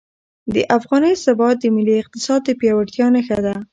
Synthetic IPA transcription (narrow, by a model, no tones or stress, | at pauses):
d̪əʔafɣɑnəjsabɑt̪̚d̪əmɪliɪq̚t̪ɪ̥sɑd̪̚ːəpjɑwaʈt̪jɑnaxad̪a